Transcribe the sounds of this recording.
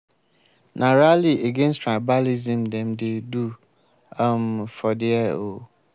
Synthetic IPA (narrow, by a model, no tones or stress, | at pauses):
nʔãɾalieɡẽnstʰɹabalizĩmdɛ̃mdedu | amfɔdɪɛo